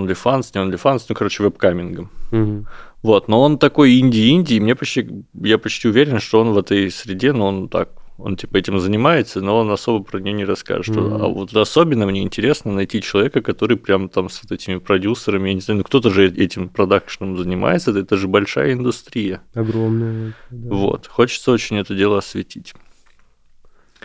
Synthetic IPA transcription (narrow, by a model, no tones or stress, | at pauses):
ond̪lʲɪfansnʲɪondlʲɪfansnukɐɾo̞t͡ɕɪvɛpkamʲɪnɡə | vo̞t̪no̞o̞nt̪ɐko̞jinʲdʲɪːinʲdʲɪːmnʲe̞pɐt͡ɕtʲijapɐt͡ɕtʲiʊvʲeɾʲɪnʂt̪o̞o̞nvɛt̪əjsɾʲɪdʲe̞nuo̞nt̪a̰k̚o̞̰ntʲipəɛtʲɪmzənʲɪmajɪt̪səno̞o̞nɐso̞bəpɾənʲɪjonʲɪɾɐska̰ʐɨt̪ɐ̰vot̪ɛt̪əɐso̞bʲɪnːəmnʲe̞ɪnʲtʲɪɾʲe̞snənɐjtʲit͡ɕɪlˠɐvʲe̞kəkɐt̪o̞ɾɨjpɾʲamt̪amsvot̪ɛtʲɪmʲɪpɾɐdʲusːəɾəmʲɪjanʲɪzajʉnuk̚t̪ot̪əʐɨɛtʲɪmpɾɐd̪akʂɨ̥nəmzənʲɪma̰jɪt̪sət̪ɛt̪əʐɨbɐlʲʂa̰jəɪnd̪ʊst̪ɾʲijəɐɡɾomnəjvo̞̰t̪xo̞t͡ɕɪ̥t̪səot͡ɕɪnʲɛt̪ədʲe̞lˠəɐsvʲɪtʲʰitʲ